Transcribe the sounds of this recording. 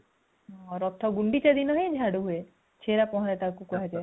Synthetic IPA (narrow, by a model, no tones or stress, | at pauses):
ɾɔp̚t̪ʰɔɡuɳɖit͡ʃad̪inɔɦẽd͡ʒʱaɽuɦue | t͡ʃʰeɾapɔɦɔ̃ɾet̪akukuɦad͡ʒaj